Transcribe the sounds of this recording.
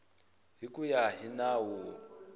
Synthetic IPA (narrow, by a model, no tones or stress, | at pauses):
ɦikʼujaɦinawu